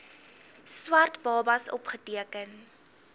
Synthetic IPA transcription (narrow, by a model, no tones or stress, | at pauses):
swɐrtbɑːbɐsɔ̰pχətiəkən